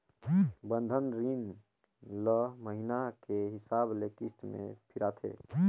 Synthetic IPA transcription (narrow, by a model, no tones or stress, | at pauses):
bənd̪ʱənɾin | ləməɦinakeɦisablekist̪mḛ̃pʰiɾat̪ʰḛ